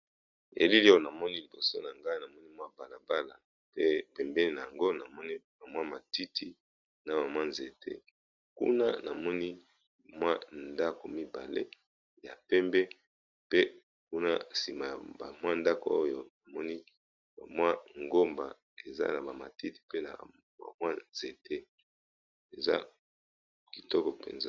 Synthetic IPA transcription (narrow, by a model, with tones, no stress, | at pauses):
ḛ˨˦li˦li˦o˦jo˦na˨mɔ˦ni˦li˨bo˨so˦na˨ŋɡa˦i˦na˨mɔ˦ni˦mwa˦ba˨la˨ba˦la˨ | pe˦pɛ˨mbɛ˦ni˦na˨ja˨ŋɡo˦na˨mɔ˦ni˦ba˨mwa˦ma˨ti˦tʰi˦ | na˨ba˨mwa˦nze˨tʰḛ˦ | kṵ˦na̰˦na˨mɔ˦ni˦ | mwa˦nda˦ko˨mi˦ba̰˨lḛ˦ | ja̰˨pɛ˦mbɛ˦ | pe˦ | ku˦na˦si˨ma˨ba˨mwa˦nda˦ko̰˨o˦jo˨na˨mɔ˦ni˦ | ba˨mwa˦ŋɡo˦mba̰˨ | e˨za̰˦na˨ba˨ma˨ti˦ti̥˨pe˦na̰˨ | ba̰˨mwa˦nze˨tʰe˦ | e˨za̰˦ | ki̥˨tɔ˦kɔ˨pḛ˨nza˦